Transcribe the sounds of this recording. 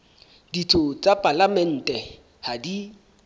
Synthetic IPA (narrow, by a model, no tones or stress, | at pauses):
d̥itʰot͡sʼapʼalamɛn̩ːtʼɛ | hadi